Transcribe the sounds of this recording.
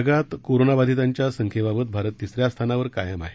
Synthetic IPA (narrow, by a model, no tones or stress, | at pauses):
ɡat̪koɾonabad̪ʱit̪aɲt͡ɕjasəŋkʰebabət̪̚bʱaɾət̪ːisɾjast̪ʰanaʋəɾkajəma̰ɦe